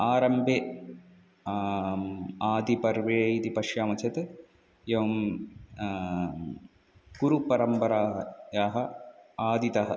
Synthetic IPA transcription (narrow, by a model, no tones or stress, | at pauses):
aːɾɐmbʱe | aːd̪ipɐɾʋeːjit̪ipɐʂjaːmɐt͡ʃʰɐt̪e | jeʋɐm | ɡuɾupɐɾɐmpɐɾaːjaːɦɐaːd̪it̪ɐɦɐ